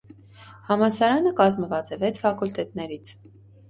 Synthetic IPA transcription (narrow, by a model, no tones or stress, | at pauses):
hɑmɑsɑɾɑnəkɑzməvɑt͡sɛvɛt͡sʰfɑkult̪ɛt̪nɛɾit͡sʰ